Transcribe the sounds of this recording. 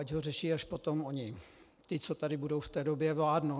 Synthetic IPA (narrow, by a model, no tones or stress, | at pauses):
aɟɦorɛʃiːaʃpot̪omoɲɪ | t̪ɪt͡sot̪aɾɪbudowft̪ɛːdobjɛvlaːdno